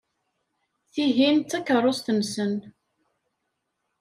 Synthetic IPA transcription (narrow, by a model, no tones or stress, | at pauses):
θiɦint̪ːækːərˤːosθənsən